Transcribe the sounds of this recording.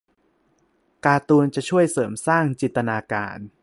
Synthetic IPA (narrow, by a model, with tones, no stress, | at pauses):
kaː˧t̪uː˧nt͡ɕa˨˩ʔt͡ɕʰu˥˩əjsɤː˩˦msaː˥˩ŋt͡ɕi˨˩nt̪ːa˧naː˧ka̰ː˧n